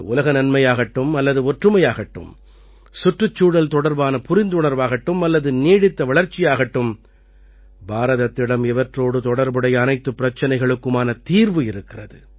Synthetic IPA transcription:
ʊ̰lɐɣɐnɐnmɐjaːɣɐʈːɯmɐlːɐðɯɔʈrɯmɐjaːɣɐʈːɯ̰m | sʊʈrɯt͡ʃːuːɽɐlt̪ɔɽɐɾbaːnɐpʊɾɪnd̪ʊɳɐɾʋaːɣɐʈːɯmɐlːɐðɯniːɽɪt̪ːɐʋɐɭɐɾt͡ʃːɪjaːɣɐʈːɯm | baːɾɐðɐt̪ːɪɽɐmɛʋɐʈroːɽɯt̪ɔɽɐɾbɯɽɐjɐnɐɪt̪ːɯpːɪɾɐt͡ʃːɐnɐɪɣɐɭɯkːɯmaːnɐt̪iːɾʋɯɪɾɯkːɪrɐðɯ̰

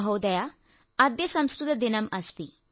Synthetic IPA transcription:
ɦɐwd̪ɐja | ɐd̪jɐsɐmskɾut̪ɐd̪inɐmɐst̪i

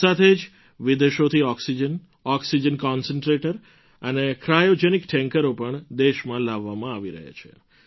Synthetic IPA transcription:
at̪ʰed͡ʒ | ʋid̪eʃot̪ʰiɔksid͡ʒən | ɔksid͡ʒənkɔnsəɳʈɾeʈəɾ | ənekɾajod͡ʒenikʈʰɛ̃ŋkəɾopəɳd̪eʃmãlaʋːamãaʋiɾə̰ɦḛt͡ʃʰḛ

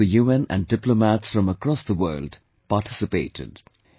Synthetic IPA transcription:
əjuɛ̃næ̰̃ndɪplomætsfɹʌ̃məkɹɔsðəwɜːld | paʈʰɪsɨpeɪtɪ̰d̥

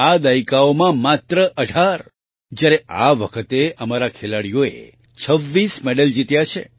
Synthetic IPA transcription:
ad̪aikaomãmat̪ɾəʔəɖʱaɾ | d͡ʒjaɾea̰ʋəkʰət̪eəmaɾakʰelaɽijoḛ | t͡ʃʰəʋːismɛɖəld͡ʒit̪jat͡ʃʰḛ

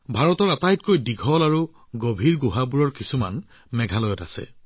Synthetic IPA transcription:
bʱaɹɔtɔɹatajtkojdiɡʱɔlaɹu | ɡobʱiɹɡoɦabuɹɔɹkisuma̰n | mɛɡʱalɔjɔta̰sɛ̰

